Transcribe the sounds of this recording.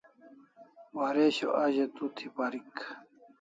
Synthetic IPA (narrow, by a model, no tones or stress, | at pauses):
waɾeɕo̰ʔɐʑet̪ut̪ʰipaɾik